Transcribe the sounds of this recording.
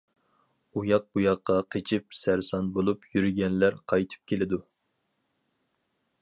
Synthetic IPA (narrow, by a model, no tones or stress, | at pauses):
ujɑq̚bujɑqːɑqʰet͡ʃʰip̚sæɾsɑnbolˠupʰjyɾɪɡʲɛnlæɾqʰɑjt̪ʰɨ̥p̚kʲʰelɪd̪u